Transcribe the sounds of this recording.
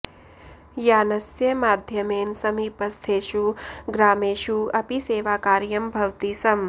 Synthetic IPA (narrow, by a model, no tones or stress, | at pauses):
jaːnɐsjɐmaːd̪ʱjɐmeːnsɐmiːpɐst̪ʰeːʃuɡɾaːmeːʃuɐpiseːʋaːkaːɾjɐmbʱɐwt̪isɐm